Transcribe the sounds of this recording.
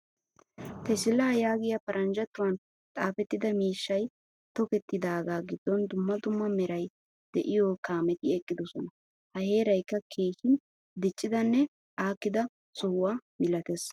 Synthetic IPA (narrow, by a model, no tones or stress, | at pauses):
t̪ɛsɪlːɐjaːɡɪjɐpɐɾʔɐnd͡ʒɐt̪ːʊwɐn | t̪ʼaːfɛt̪ːɪd̪ɐmiːʃːɐj | t̪ɔkɛt̪ːɪd̪aːɡaːɡɪd̪ːɔnd̪ʊmːɐd̪ʊmːɐmɛɾɐj | d̪̥ɛʔɪjɔkaːmɛt̪ɪɛkʼːɪd̪ɔsɔnɐ | hɐhe̞ːɾɐjkːɐkʰeːʃɪn | d̪ɪt͡ʃʼːɪd̪ɐnːɛ | ʔaːkːɪd̪ɐ | sʊhʊwaːmɪlɐt̪es